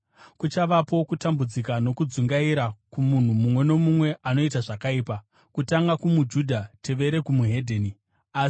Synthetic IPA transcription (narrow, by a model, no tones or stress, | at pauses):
kut͡ʃaʋapo̞kutambud͡zikano̞kud͡zuŋɡaiɾakumun̤umumwe̞no̞mumwe̞ʔano̞itaʐakaiːpa | kutaŋɡakumud͡ʒudʱate̞ʋe̞ɾe̞kumuɦe̞dʱeni | aːsi̥